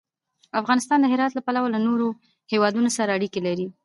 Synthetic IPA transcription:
afɣɑnɪst̪ɑnd̪əɦɪɾɑt̪lapalawalanoɾo | hewɑd̪unosaɾaːɽikelaɾi

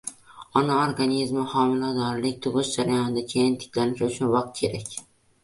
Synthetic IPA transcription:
ɒnaoɾɡanizmɪhɒmɪlad̪ɒɾlɪk̚ʲt̪ʰʊʁɨʃd͡ʒaɾajɒnɪd̪akʲʰe̞jɪnt̪ʰɪ̥kʲlanɪʃʊt͡ʃʰʊnvɑq̚t̪̚kʲʰe̞ɾakʲ

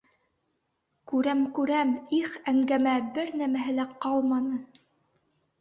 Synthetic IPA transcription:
kʉɾæmkʉɾæmiχæŋɡæmæbɘɾnæmæɦɘ̆læqɑlˠmɑnɤ

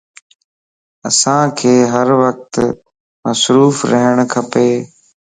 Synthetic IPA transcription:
ə̰sãːkʰeːɦəɾʋək̚t̪ | məsɾuːfɾəɦəɽ̃kʰɐpeː

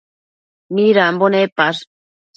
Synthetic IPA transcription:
niɾambonepas

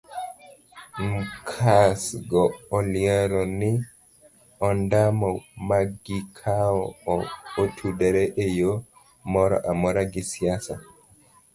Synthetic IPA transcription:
mkʰasɡɔɔliaɾɔni | ɔndamɔmaɡikʰaɔɔotʰudɛɾɛʔɛjɔ | mɔɾɔ̰ʔamɔɾaɡisijasa

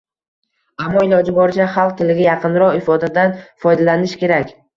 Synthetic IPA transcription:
amːɒɪlɒd͡ʒɪbɒɾd͡ʒaχɑlˠq̚t̪ʰɪlɪɡʲajɑqʰɨnɾɒqɪfɒd̪ad̪anfɒjd̪alanɪʃkʲʰe̞ɾakʲ

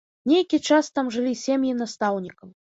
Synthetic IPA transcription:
nʲejkʲit͡ʂast̪amʐɨlʲisʲemʲjinast̪awnʲikɐm

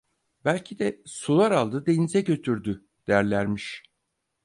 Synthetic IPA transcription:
bælʲcʰid̪ɛsulˠaɾalˠd̪ɯd̪e̞jinizɛɟø̞t̪ʰyɾd̪y | d̪̥ejæɾlʲæɾmiʃ

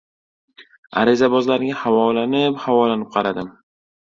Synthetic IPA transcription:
a̰ɾɪzabɒzlaɾɪɡʲahavɒlanɪphavɒlanɪp̚qʰɑɾad̪ɪm

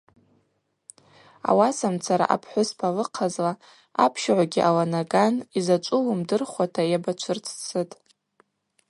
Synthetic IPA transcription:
a̰wasamt͡sʰaɾa̰ʔa̰pʰħʷʊspʰalɨqʰazla | apʰʃʕʷaɡʲiʔalanaɡanizat͡ʃʷʼʊlumdɨrχʷwatʰajabat͡ʃʷʰɨrt͡sʰt͡sʰɨtʼ

